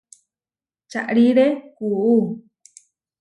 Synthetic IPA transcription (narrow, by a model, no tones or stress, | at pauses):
t͡ʃaʔɾiɾekuu